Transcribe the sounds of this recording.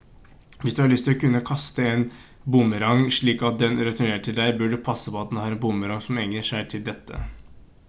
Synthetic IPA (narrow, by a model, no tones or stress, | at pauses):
ʋɪsd̪ʉhɑɭʏst̪ɪlɔkʉnːəkʰɑst̪əeːn | bʊmːəɾɑŋʂɭiːkɑt̪̚d̪ɛnɾɛt̪ʰʊɳeːɾəʈʰɪld̪æɪbœɖʉpʰɑsːəpʰɔɑt̪d̪hɑːɾɛnbʊmːəɾɑŋsɔmɛŋəʂæɪʈ̪ʰɪld̪ɛt̪ʰːə̰